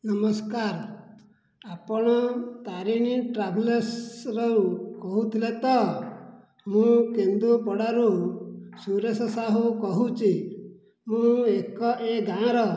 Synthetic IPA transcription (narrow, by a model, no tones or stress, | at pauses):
nʌmɔskaɾ | apɔɽ̃ɔt̪aɾiñiʈɾabʱlesɾɔkɔɦut̪ʰilet̪ɔ | mũkend̪upɔɽaɾusuɾesɔsaɦukɔɦut͡ʃi | mũekɔʔeɡãɾɔ